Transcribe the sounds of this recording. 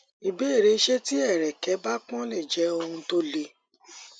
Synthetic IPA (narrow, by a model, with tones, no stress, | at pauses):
i˨be˨˦˨ɾe˨˧˦ʃe˦ti˦ɛ˦˨ɾɛ˨kɛ˨˦ba˦k͡pɔ̃˦le˦˨d͡ʒɛ˨˦o˧hũ˧to˦le˦˧